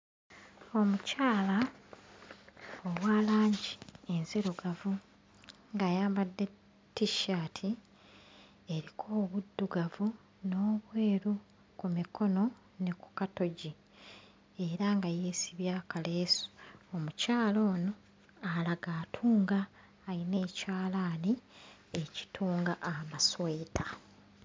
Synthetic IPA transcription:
o̞mucaːla | owaːlaːɲɟie̞nzeɾo̞ɡavu | ŋɡajaːmbad̪ːe̞ | tːiʃaːtʰi | e̞ɾikʰo̞ːβudːuɡavu | no̞ːβwe̞ːɾu | kumikʰo̞no̞ | ne̞ku̥kato̞ɟi | e̞ɾaŋɡaje̞ːsiβjaːkale̞su̥omucaːlo̞ːno̞ | alaɡaːtʰuːŋɡaː | jine̞ːcaːlaːnie̞ci̥tʰuːŋɡaʔːmasweːtʰa

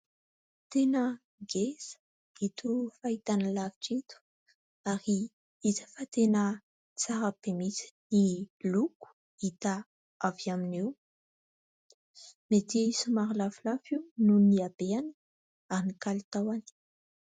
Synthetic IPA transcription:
t̪enə | ɡesə̥ | it̪ufait̪anəlavi̥ʈ͡ʂet̪u̥ | aɾi | izə̥fat̪enə | t͡saɾapemit͡si̥niluku̥ | it̪a | aviaminew | met̪iisumaɾilafilafiwnuniabeanə | aɾinikalit̪awani̥

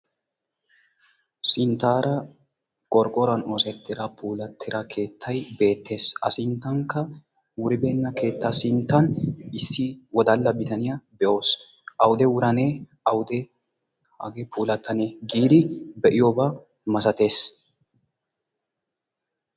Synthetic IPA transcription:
sɪnt̪ːaːɾɐ | kʼɔɾkʼɔɾɐno̞ːsɛt̪ːɪɾɐpʰuːlɐt̪ʰːɪɾɐkʰe̞ːt̪ʰːɐjbe̞ːt̪ʰːe̞ːsɐ̰sɪnt̪ːɐŋkːɐ | wʊɾɪbe̞ːnːɐke̞ːt̪ːɐsɪnt̪ːɐnɪsːɪwɔd̪ɐlːɐbɪt̪ɐnɪjɐbɛʔo̞ːs | ʔɐwʊd̪ɛwʊɾɐne | ɐwʊd̪ɛ | ɐ̰ɡɛpʰuːlɐt̪ːɐneɡiːd̪ɪbɛʔɪjoːba | mɐsɐt̪e̞ːs

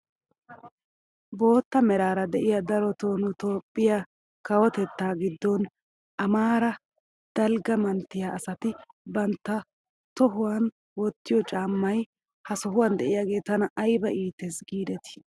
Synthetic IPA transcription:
bo̞ːt̪ːɐmɛɾaːɾɐd̪ɛʔɪjɐd̪ɐɾɔt̪oːnʊt̪oːpʼːɪjɐ | kɐwɔt̪ɛt̪ːaːɡɪd̪ːɔn | ʔɐmaːɾɐ | d̪̥ɐlɡɐmɐnt̪ːɪjaːsɐt̪ɪbɐnt̪ːɐ | t̪ɔɦʊwan | wɔt̪ːɪjɔt͡ʃʼaːmːɐj | hɐsɔɦʊwɐnd̪ɛʔɪjaːɡe̞ːt̪ɐnɐʔɐjbɐʔiːt̪ːɛsɡiːd̪ɛt̪ɪ̥

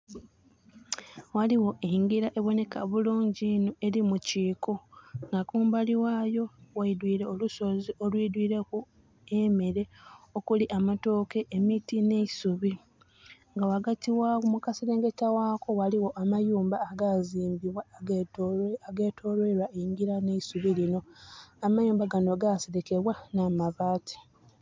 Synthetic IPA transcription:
waliwo̞ʔeŋɡiɾaʔe̞βo̞ne̞kaβuluːɲɟinoe̞ɾimuciːko̞ŋɡakuːmbaliwaːjo̞waidwiːɾe̞oluso̞ziʔo̞lwiːdwiːɾe̞ku | e̞meɾe̞okuliʔamato̞ːke̞ʔːmitine̞isuβi | ŋɡawaɡatiwawumukaseɾe̞ːŋɡetawaːko̞waliwo̞ʔamajuːmbaːɡaziːmbiβwa | aɡe̞ːtʰo̞ːlweɾwaʔeŋɡiɾane̞isuβilino̞amajuːmbaɡanoɡaseɾeke̞βwanaːmaβaːtʰi̥

